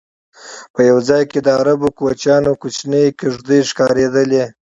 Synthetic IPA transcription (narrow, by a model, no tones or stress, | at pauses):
pəjawd͡zɑjked̪əaɾabokuwat͡ʃjɑnokut͡ʃnəjkeʐd̪əjʃkɑɾed̪əle